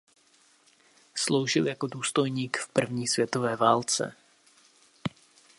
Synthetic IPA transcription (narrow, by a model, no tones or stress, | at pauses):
slo̞wʒɪljakoduːst̪o̞jɲiːkfpr̩vɲiːsvjɛt̪o̞vɛːvaːlt͡sɛ̰